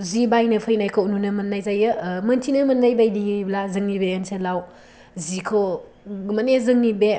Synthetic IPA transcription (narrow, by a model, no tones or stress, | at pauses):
zibajnɯpʰɯjnajkʰonunɯmɐnːajzajɯmɐntʰinɯmɐnːajbajdijɯjblazɯŋnibeɯnselaw | zikʰo | mɐnezɯŋnibe